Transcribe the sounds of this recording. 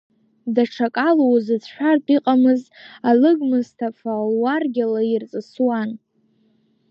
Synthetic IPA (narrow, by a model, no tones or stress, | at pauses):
daʈ͡ʂʰakʼalowzɨt͡sʰʃʷᶣartʼiqʼamɨzalɨɡmɨztʰafalwarɡʲalairt͡sʼɨswan